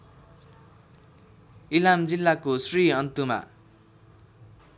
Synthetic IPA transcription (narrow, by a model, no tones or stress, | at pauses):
ilamd͡zilːakosriʌnt̪uma̰